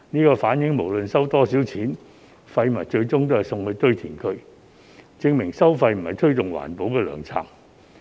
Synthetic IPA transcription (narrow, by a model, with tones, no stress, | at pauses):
niː˥kɔː˧faː˨˥njɪ˨˥ŋmo˨˩wlɵ˨nsɐ˥wt̪ɔː˥siː˨˥wt͡sʰiː˨˥n | fɐ˧jmɐ˨˩jt͡ʃɵ˧ɥt͡sʊ˥ŋt̪o˥hɐ˨jsʊ˧ŋhɵ˧t̪ɵ˥ɥt̪ʰiː˨˩nkʰɵ˧ɥ | t͡sɪ˧ŋmɪ˨˩ŋsɐ˥wfɐ˧jm̩˨˩hɐ˨jt̪ʰɵ˥ɥt̪ʊ˨ŋwa̰ː˨˩npo˨˥wkɛː˧lœ̰ː˨˩ŋt͡sʰa̰ː˨˩ŋ